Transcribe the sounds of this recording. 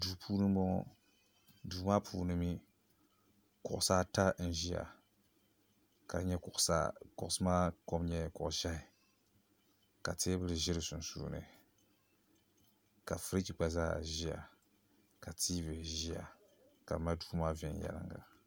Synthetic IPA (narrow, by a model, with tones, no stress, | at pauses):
du˨pʰuː˦nɨ˦m˦bɔ˦ŋɔ̰˦˨ | du˨˦maː˦pʰuː˦˨nɨ˦mi˦ | kʊ˨ʔʊ˨saː˦ta˦n̩˦ʒi˦ja̰˨ | ka˨˦ɲɛ˦kʊ˨ʔsa̰˦kʊ˦˨ʔʊ˨˦sɨ˦maː˦ko˦m˦ɲɛ˨kʊ˨ʔʒa˦ɪ˨ | ka˨teː˦bɨ˦lɨ˨ʒɪ˦ɾɨ˨sʊ˨n˨sṵː˦˨nɨ̰˨ | ka˨fɨ˦ɾi˦ki˨k͡pa˨zaː˦˨ʒi˦a̰˨ | ka˨tʰiː˦vɨ˨ʒi˦a̰˨ | ka˨ma˦du̥ː˦maː˦vɛ˨n˨jɛ̰˨lɨ̰˦ŋɡa̰˨